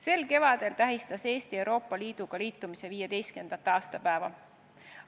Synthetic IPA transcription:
se̞lke̞vɑd̪̥e̞lt̪æɦist̪ɑse̞ːst̪iewɾo̞ːpˑːɑliːd̪̥uɡ̥ɑliːt̪ːˑumise̞viːjed̪ejst̪ke̞nd̪̥ɑt̪ːˑɑːst̪ɑpæevɑ

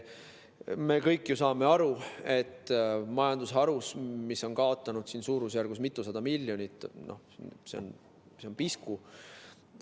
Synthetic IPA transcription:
me̞ːkɤjkːˑjusɑːme̞ɑɾue̞t̪ːˑmɑjɑnd̪̥usɦɑɾusmiso̞nkɑo̞t̪ːˑɑnud̪̥siːnsuːɾus̬jærɡusmit̪ːˑusɑd̪̥ɑmilʲːjo̞nʲit̪ːˑnʔo̰hse̞o̰n | seonpisku

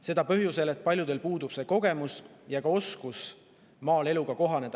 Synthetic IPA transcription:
se̞d̪̥ɑpøɦjuse̞le̞t̪̚ːˑpɑlʲjud̪e̞lpuːd̪̥ub̥se̞ːko̞ɡ̥e̞musjɑkɑo̞skus | mɑːle̞luɡ̥ɑko̞ɦɑne̞d̪̥ɑ

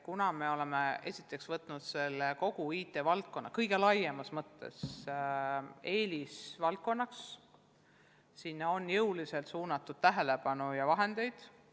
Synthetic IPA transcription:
kunɑme̞o̞le̞mee̞̰sʲit̪ːˑe̞ksvɤt̪ːˑnud̪̥se̞lːeko̞ɡ̥uiːt̪ːˑe̞vɑlt̪̚ko̞nːɑkɤjɡ̥e̞lɑjːemɑsmɤt̪ːˑe̞̰s | e̞ːlisvɑlt̪̚ko̞nːɑks | sinːo̞njɤwlise̞lt̪suːnɑt̪ːˑud̪̥̚t̪æɦe̞le̞pɑnujɑvɑɦe̞nd̪̥e̞jd̪̥

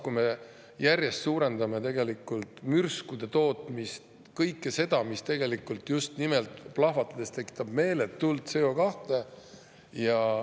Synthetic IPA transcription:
kujme̞ | jærjest̪suːɾe̞nd̪ɑme̞t̪e̞ɡe̞likːˑult̪ˑmyrskud̪̥e̞t̪o̞ːt̪mist̪ | kɤjkːˑese̞d̪̥ɑmist̪e̞ɡ̥e̞likːˑult̪just̪nimelt̪ˑplɑhvɑt̪ːˑɑd̪̥e̞st̪e̞kːˑi̥t̪ːˑɑbme̞ːlet̪ːuld̪seo̞kɑht̪e̞ | jɑ

